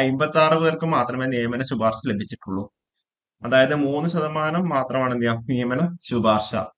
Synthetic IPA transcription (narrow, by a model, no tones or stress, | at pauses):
ɐjmbɐt̪ːaːrɨʋɨɣɐrkɨmaːt̪rɐmeːnijɐmɐnɐɕubaːrɕɐle̞bʱit͡ɕːiʈːuɭːu | ɐðaːjɐðɨmuːnːɨɕɐðɐmaːnɐmːaːt̪rɐmaːɳɨnijanijɐmɐnɐɕubaːrɕɐ̰